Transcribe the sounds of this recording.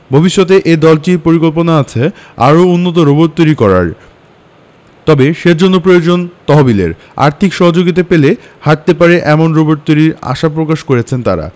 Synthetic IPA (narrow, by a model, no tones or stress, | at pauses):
bʱobiʃːɔt̪̬eʔed̪ɔlʈipoɾikolp̬onaat͡ɕʰea̰ɾounːot̪̬oɾoboɾ̚t̪ojɾikɔɾa̰ɾ | t̪ɔbeʃeɾd͡ʑonːopɾojod͡ʑont̪ɔɦobilḛɾ | a̰ɾt̪ʰikʃɔɦod͡ʑoɡit̪̬apele | haʈ̚t̪epaɾeʔɛmonɾoboɾ̚t̪ojɾiɾa̰ʃapɾokaʃkoɾet͡ɕʰent̪a̰ɾa̰